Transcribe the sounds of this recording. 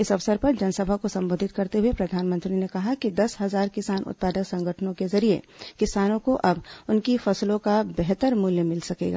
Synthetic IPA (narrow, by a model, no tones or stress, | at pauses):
ɪsɐʋsəɾpɐɾd͡ʒɐnsɐbʱakosɐ̃mboːd̪ʱɪt̪̚kɐɾt̪eɦʊepɾɐd̪ʱaːnmə̃nt̪ɾinekɐɦakid̪ɐsɦɐzaːɾkɪsaːnʔʊ̰t̪̚paːd̪əksɐ̃ŋɡʱəʈʰənõkezɐɾiḛkɪsaːnõkoʔɐbʊnkifɐslõkabɛɦt̪əɾmuljəmɪlsɐkḛːɡa̰ː